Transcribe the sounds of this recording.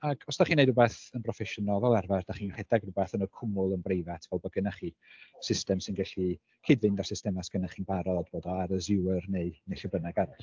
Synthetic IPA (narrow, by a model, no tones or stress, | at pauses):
aɡʰɔsd̥aχiːnejdubeːθənpʰrɔfɛʃənalˠvɛlˠɛrvard̥aχiːnɡaħɛdaɡrubɛθənɔkʰʊmʊlˠənbrejvatʰvɛlˠbɔɡənaχisɪstɛmsɪnɡɛɬi | kʰiːdvɨndasɪstɛmasɡ̥ənaχinbaɾɔdb̥oːdɔaɾəzɪwərneɨneɬəbənaɡaɾɔ